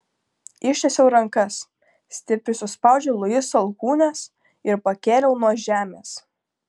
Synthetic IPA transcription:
ɪʃʲt̪ʲɛsʲɛʊɾɐŋkɐs | sʲt̪ʲɪpʲɾʲʊsʲʊspɑˑʊd͡ʒʲɛlˠʊjɪsɐlˠkuːnʲɛs | ɪɾpɐkʲeːɾʲɛʊnuɔʒʲæːmʲeːs

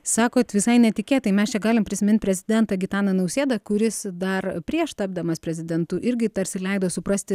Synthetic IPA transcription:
sɑːkoːt̪ʋʲɪsɐɪnʲɛt̪ʲɪkʲeːt̪ɐɪmʲɛst͡ʃʲɛɡɑːlʲɪmpʲɾʲɪsʲɪmʲɪnt̪̚ʲpɾʲɛzʲɪd̪ʲɛnt̪ɐɡʲɪt̪ɑːnɐnɐʊsʲeːd̪ɐkʊɾʲɪsd̪ɐrpʲɾʲiɛʃt̪ɑb̚ʲd̪ɐmɐspʲɾʲɛzʲɪd̪ʲɛnt̪ʊʔɪɾʲɡʲɪt̪ɐɾʲsʲɪlʲɛɪd̪oːsʊpɾɐsʲt̪ʲɪ

